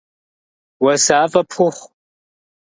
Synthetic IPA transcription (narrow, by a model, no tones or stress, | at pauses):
wɐsaːfʼɐpʰχʷʊχʷ